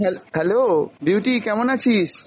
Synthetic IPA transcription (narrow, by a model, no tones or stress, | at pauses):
ɦɛlɦɛlobjuːʈikɛmonat͡ɕʰiːs